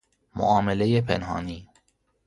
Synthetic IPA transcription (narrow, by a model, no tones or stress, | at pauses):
mo̰ʔɒːmelejepʰḛnɦɑ̰ːniː